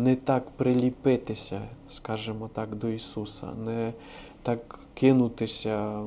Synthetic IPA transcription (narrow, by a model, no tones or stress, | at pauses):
nɛt̪akpɾɪlʲipɪt̪ɪsʲɐskaʒɛmɔt̪akd̪ɔisusɐ̰nɛ | t̪akː | ɪnʊt̪ɪsʲɐ